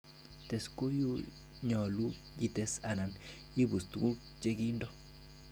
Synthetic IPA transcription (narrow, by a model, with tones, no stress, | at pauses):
tɛ˨sko˦ju˦ | ɲɔ˨lu˦ | d͡ʒi˦˨tɛ˦sa˨na˨n | i˦bu˨st̪ɡu˦k̚ | t͡ʃe˦ɡi˦ndɔ˦